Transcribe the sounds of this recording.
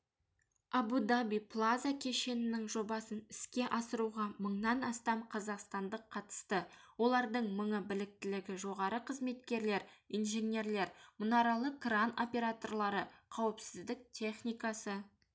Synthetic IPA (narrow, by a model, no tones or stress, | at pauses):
ɑbud̪abijpʰlˠazakʲʰe̞ʃe̞nɪnɪŋʒo̞bɑsənɪskʲe̞ʔɑsəɾuʁɑməɴnɑnɑst̪ɑmqʰɑzɑqst̪ɑnd̪əqʰːɑt̪ə̥st̪əwo̞lˠɑɾd̪əɴməɴəbɪlɪk̚t̪ɪlɪɡʲɪʒo̞ʁɑɾəqʰəzme̞t̪kʲe̞ɾle̞ɾinʒenʲe̞ɾle̞ɾmʊnɑɾɑlˠəkrano̞pʲe̞ɾat̪o̞rlˠɑɾəqʰɑwəpsɪzd̪ɪk̚t̪ʲʰe̞χnijkɑsə